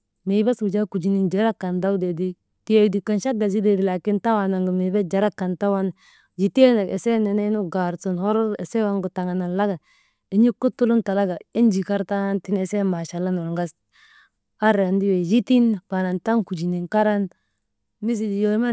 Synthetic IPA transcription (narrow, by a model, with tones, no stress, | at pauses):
me˨˦ba˦su˨d͡ʒa˦ku˨d͡ʒi˨ni˨nd͡ʒa˨ɾa˦kːa˨nda˦wde˨di˦ | ti˦e˨˦di˨ka˨nʃa˦ɡa˨zi˦de˨di˨la˨ki˦nta˦wa˨na˨ŋɡu˨me˨ba˦d͡ʒa˨ɾa˦kːa˨nta˦wa˦n | d͡ʒi˨te˦na˨ḛ˨se˦ne˨na˦nu˦ɡa˨ɾsu˨nho˦ɾe˨se˦wa˦ŋɡu˨ta˨ŋa˨na˨la˦ɡa˨ | i˨˦ɲi˦ku˦tu˦lu˦nta˨la˦ɡa˨i˦nd͡ʒi˨ka˦ɾta˦nti˦ne˨se˦ma˨ʃa˨la˦no˨lŋɡa˦s | a˦ɾa˨ndi˦we˨d͡ʒi˦ti˦npa˨na˨nta˦ŋku˨d͡ʒi˨ni˨ŋka˦ɾa˦n | mi˦s̬i˨d͡ʒi˨jo˦me˦